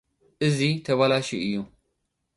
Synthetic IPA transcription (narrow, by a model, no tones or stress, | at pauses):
ʔɨzit̪ʰɐβalaʃḭʔɨjːu